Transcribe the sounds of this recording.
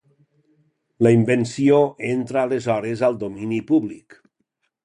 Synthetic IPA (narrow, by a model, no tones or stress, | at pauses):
laimbensioʔent̪ɾaːlezɔɾezalˠd̪ominipuβlik